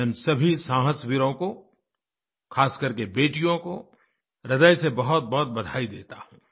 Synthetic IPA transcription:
ɛnsɐbʱisãːɦəswɪɾõko | kʰaːskɐɾkebeːʈijõko | ɾɐd̪əjsebɐɦʊt̪̚bɐɦʊt̪̚bɐd̪ʱaːid̪ḛːt̪ahũː

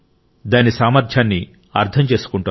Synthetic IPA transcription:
d̪aːnisaːmɐɾd̪ʰʱjaːnːi | ɐ̰ɾt̪ʰɐmt͡ʃe̞ːsu̥kuɳʈu

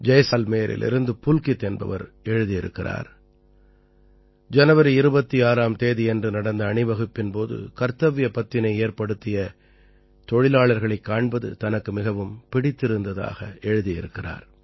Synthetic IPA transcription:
d͡ʒɐjsaːlmeːjɾʔɪ̰lʔɪ̰ɾɯnd̪ɯpʊlkɪt̪ːeːnbɐ̰ʋɐ̰ɾ | ɛɻɯðijɪɾɯ̰kːɪra̰ːɾ | d͡ʒɐnɐʋɐɾiɪɾɯbɐt̪ːiaːɾaːmt̪eːðɪɛndrɯnɐɽɐnd̪ɐːɳɪʋɐɣɯpːɪnpoːðɯ̰kɐɾt̪ɐʋɪjɐpɐt̪ːɪnɐɪeːɾpɐɽɯt̪ːɪjɐ | t̪ɔɻɪlaːɭɐɾɣɐɭɐɪkːaːɳbɐðɯ̰t̪ɐnɐkːɯmɪɣɐʋɯmpɪɽɪt̪ːɪɾɯnd̪ɐða̰ːɣɐɛɻɯðijɪɾɯkːɪra̰ːɾ

